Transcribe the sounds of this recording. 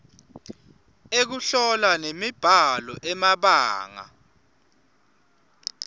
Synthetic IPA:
ek̬uɬɔlanemib̥ʱalɔʔɛmaɓaːŋa̰

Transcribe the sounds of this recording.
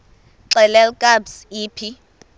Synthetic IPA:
ǀɛlɛlkʼabsiːpʰi

